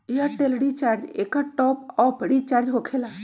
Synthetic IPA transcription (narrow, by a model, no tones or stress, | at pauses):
ijaʈelɽit͡ʃaɾd͡ʒḛkaʈɔːpɔpəɽit͡ʃaɾd͡ʒɦokʰela